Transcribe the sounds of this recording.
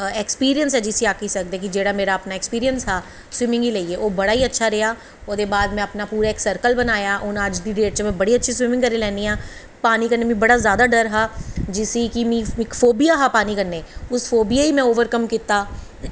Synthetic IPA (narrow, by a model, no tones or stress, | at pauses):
ɛːkspiːɾijənsɦɛːd͡ʒɪsiaːkiːsək̚d̪eːkɪd͡ʒeːɽaːmeːɾaːəpnaːɛkspiːɾijənsɦaː | swɪmɪ̃ŋɡiːləiːeːʔoːbəɽaːiːətːʃʰaːɾeaː | oːd̪eːbaːd̪mɛ̃ːəpnaːpuːɾaːɪksəɾkəlbənaːjaːʔʊnəd͡ʒd̪iːɖeːʈ̚t͡ʃmɛ̃ːbəɽiːətːʃʰiːswɪmɪ̃ŋkəɾeːlɛ̃ːniːaː | paːniːkəɾneːmĩːbəɽaːzjaːd̪aːɖəɾɦaːd͡ʒɪsiːkimĩːɪkfʰoːbijaːɦaːpaːniːkəɾneːʊsfʰoːbijaːiːmɛ̃ːoːʋəɾkəmkiːt̪aː